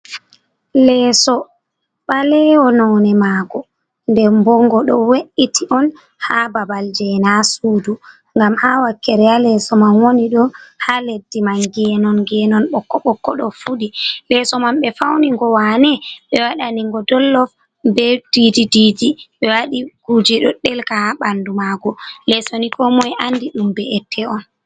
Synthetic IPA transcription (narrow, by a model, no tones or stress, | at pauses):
lɛsɔ | ɓalɛwɔnɔːnɛmaɡɔ | ndɛmbɔŋɡɔɗɔweʔitʰiʔɔn | hababald͡ʒɛnasuːdu | ŋɡamhawakːɛɾɛalɛsɔmanwoniɗɔhaledːimanɡɛnɔnɡɛnɔnɓɔkːɔɓɔkːɔɗɔfuɗilɛsɔmamɓɛfawniŋɡɔwanɛɓɛwaɗaniŋɡɔdɔlːɔf | bɛd̥idididiɓɛwaɗiɡ̥ud͡ʒɛɗɔɗɛlkahaɓandumaɡɔlɛsonikɔmɔjʔandiɗumbɛɛtʰːɛɔn